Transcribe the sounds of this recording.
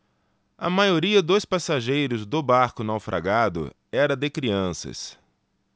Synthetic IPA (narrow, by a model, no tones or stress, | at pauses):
ɐ̰majoɾiɐd̪ospasaʒejɾʊzd̪ʊbaɾkʊnawfɾʔa̰ɡad̪ʊ̰ | ɛɾɐd̪ɪkɾiɐ̃sɐ̰s